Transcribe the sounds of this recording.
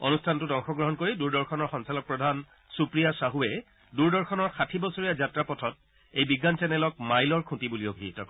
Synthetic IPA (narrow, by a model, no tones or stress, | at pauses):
o̰nustʰantʊdɔŋxɔɡɹɔɦɔnkoɹiduɹdɔɹxʰɔnɔɹxɔnsalɔk̚pɹɔdʱan | supɹijasaɦuɛ | duɹdɔɹxʰɔnɔɹxatʰibɔsoɹijazatɹapɔtʰɔt̚ | ejbiɡansɛnɛlɔk̚majlɔɹkʰũtibuliobʱitɔk